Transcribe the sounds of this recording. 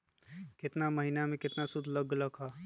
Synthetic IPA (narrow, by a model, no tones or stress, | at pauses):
kɪt̪naməɦinamẽkɪt̪nasʊd̪ʱləɡləkʰa